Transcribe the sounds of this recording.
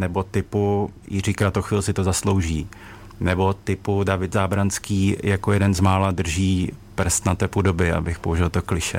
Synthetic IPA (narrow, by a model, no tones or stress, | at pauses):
nɛbo̞t̪ɪpujɪrikɾat̪oxʋiːlsɪt̪ozaslo̞wʒiː | nɛbo̞t̪ɪpudavɪt̪zaːbɾanskiːjakojɛdɛnzmaːladr̩ʒiːpr̩st̪nat̪ɛpudobɪa̰bɪxpoɦuʒɛlt̪oklɪʃɛ̰